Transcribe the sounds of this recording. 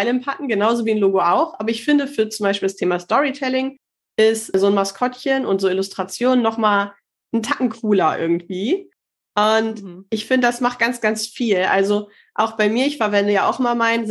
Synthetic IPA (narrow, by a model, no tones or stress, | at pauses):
aɪləmpʰatn̩ɡənaʊzoviːnloːɡoʔaʊxʔaːbɐɪçfɪndəfyːɐt͡sʊmbaɪʃpiːldastʰeːmastɔʁitʰɛlɪŋ | ʔɪstzoːnmaskʰɔtçənʊ̰ntz̥oːɪlʊstʁ̥at͡sjoːnnːɔχmaːl | n̩tʰakŋ̩kʰʁ̥uːlɐʔɪ̰ɐɡŋ̩tv̥iː | ʔʊntʔɪçfɪndədasmaχt̚ɡ̥ant͡sɡ̥ant͡sfiːlʔa̰lzo | ʔaʊxb̥aɪmiːɐɪçfɛɐvɛndəjaːa̰ʊxʔɪmamaɪnz